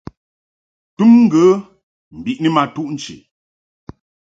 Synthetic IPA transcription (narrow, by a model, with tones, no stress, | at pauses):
tu˦mŋ̩˦ɡə˨˦ | m̩˨bi˨ʔnə˦ma˨tu˦ʔn̩˦t͡ʃḭ˨